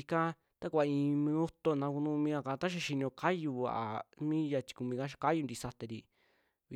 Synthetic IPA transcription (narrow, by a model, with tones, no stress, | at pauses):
i˧kã˦ | t̪a˦kʷa˧ĩː˧mĩ˧u˦t̪o˧˨nã˧ku˧nũ˧mĩ˧a˧kã˧t̪a˦ʃ̬a˧ʃi˧nĩ˧õ˧kʰa˦ju˧a̰˨ʔa˨mĩ˦ja˧t͡ʃi̥˧ku˧mĩ˧ka˦ʃa˧ka˦ju˧nd̪i˧sa˧t̪e˧ɾi˧ | βi˧